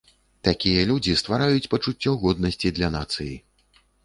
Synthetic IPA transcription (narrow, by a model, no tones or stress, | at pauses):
t̪akʲijɐlʲud͡zʲist̪vaɾajut͡sʲpɐt͡ʂut͡sʲːɔɣɔd̪̚nɐsʲt͡sʲid̪lʲɐnat̪sɨji